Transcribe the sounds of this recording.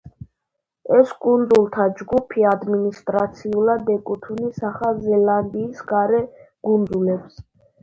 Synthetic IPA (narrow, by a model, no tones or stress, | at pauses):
ɛskʼund̪zulˠt̪ʰad͡ʒɡupʰiad̪minist̪ʼɾat̪sʰiulad̪ɛkʼut̪ʰunisaχazɛland̪iːsɡaɾɛɡ̥und̪zulɛps